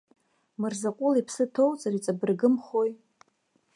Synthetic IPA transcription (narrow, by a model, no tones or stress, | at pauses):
mɨrzakʷʼʊlipʰsɨtʰo̞wt͡sʼarit͡sʼabɨrɡɨmχoj